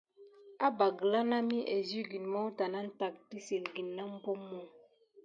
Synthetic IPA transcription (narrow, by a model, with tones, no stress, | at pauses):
a˦ba˨ɡla˦na˦mi˦ʔe˨zi˦ɡi˨nmɔ˦ta˨na˦n̩˦ta˨k̚ti˦si˨lɡi˨nːa˦m̩˦bo˦mːɔ˦˨